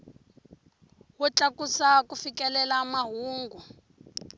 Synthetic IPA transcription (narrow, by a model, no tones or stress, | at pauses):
wɔt͡ɬakusakufikɛlɛlamaɦuːŋɡu